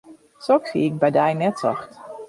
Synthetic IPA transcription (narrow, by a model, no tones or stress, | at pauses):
sɔksḭɪk̚bɛjdɛjnɛtsɔ̰xt